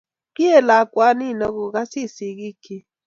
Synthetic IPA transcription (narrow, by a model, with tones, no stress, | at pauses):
ki˦ɛ˨la˨kʼwa˦ni˦˨nɔ˦ku˨ka˦si˦˨si˨ki˦kʰi˦